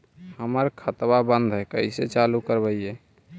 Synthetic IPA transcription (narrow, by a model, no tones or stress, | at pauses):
həməɾkʰət̪babə̃nd̪ʱɦɛkəiset͡ʃalukəɾbəiɛ